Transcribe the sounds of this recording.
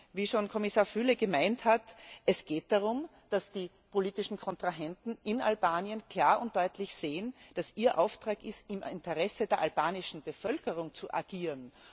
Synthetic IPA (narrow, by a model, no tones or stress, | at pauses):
viːʃoːnkʰɔmɪsaːɐfyləɡ̥əmaɪnthatʔɛsɡ̥eːt̚d̥aʁʊm | d̥asd̥iː | pʰoliːtɪʃn̩kʰɔntʁ̥aɦɛntn̩ɪna̰lbaːnjənkʰl̥aːɐʊnt̚d̥ɔʏtʰlɪçseːənd̥asʔiːɐʔaʊftʁ̥aːkɪstɪmɪ̰ntəʁɛsədeːɐʔalbaːnɪʃn̩b̥əfœlkəʁʊŋt͡suʔa̰ɡ̥iːʁən